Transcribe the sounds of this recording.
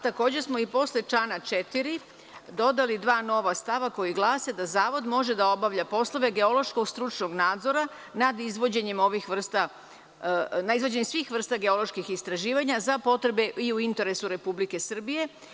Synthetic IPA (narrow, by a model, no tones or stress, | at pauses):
t̪ako̞ːd͡ʑe̞ɾsmo̞ipo̞slet͡ʃanat͡ʃe̞t̪iɾi | d̪o̞d̪alid̪ʋaːno̞ʋast̪aʋako̞jiɡlˠaːse̞d̪azaːʋo̞d̪mo̞ʒe̞d̪ao̞baʋʎapo̞slˠo̞ʋe̞ɡe̞o̞lo̞ʃko̞ɡst̪ɾut͡ʃno̞ɡnaːd̪zo̞ɾa | nad̪izʋo̞d͡ʑe̞ɲemo̞ʋixʋr̩st̪a | naizʋo̞d͡ʑe̞ɲemsʋixʋr̩st̪aɡe̞o̞lo̞ʃkixist̪ɾaʒiːʋaɲazapo̞t̪ɾe̞be̞ʔiuint̪e̞ɾe̞suɾe̞publike̞sr̩bije̞